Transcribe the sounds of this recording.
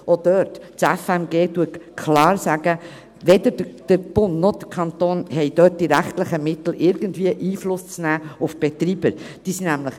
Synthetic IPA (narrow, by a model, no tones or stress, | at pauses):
od̪̥œːttɛfɛmɡeːtuətkʰlɑːɾsæɡ̥ə | ʋɛd̪əɾdəd̥əb̥ʊnnɔd̥əkʰɑnt̪oːnhɛjd̥œːt̚d̥iɾæχt̪ləχəmɪt̪l̩ʔɪɾɡ̥əndviːəʔiːflʊst͡snæːʊfb̥ɛt̪ɾiːbəɾd̥iːsinæmləχ